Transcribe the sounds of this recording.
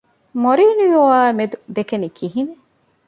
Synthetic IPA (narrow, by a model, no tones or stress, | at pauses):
moɾiːnujuaːmed̪ud̪ekenikʰiɦine